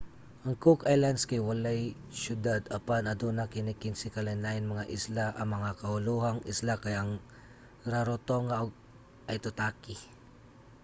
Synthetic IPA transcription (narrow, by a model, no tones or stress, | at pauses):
ʔɐŋkʊkajlanskajwalaj | ʃʊd̪ad̪apanɐd̪unakɪnikɪnsɪkalanlaɪnmɐŋaʔɪslaʔɐmɐŋakɐhʊluhaŋɪslakajʔɐŋ | ɾaɾot̪oŋaʔoɡ̚ | ʔɐjt̪ʊt̪aːkɪ